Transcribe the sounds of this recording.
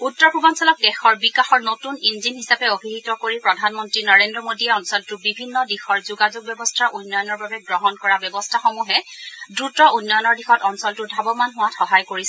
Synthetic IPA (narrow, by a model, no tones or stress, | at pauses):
utːɔɹpubansɔlɔk̚dɛxɔɹbikaxɔɹnotuninzinɦisapɛobʱiɦitɔkoɹipɹɔdʱanmɔntɹinɔɹendɹɔmodiɛɔnsɔltʊbibʱinːɔdixɔɹzuɡazuɡ̚bjɔbɔstʰaʔunːɔjɔnɔɹbabɛɡɹɔɦɔnkɔɹabɛbɔstʰaxomuɦɛdɹutɔʔunːɔjɔnɔɹdixɔtɔnsɔltʊdʱabɔmanɦʊwatxɔɦajkoɹis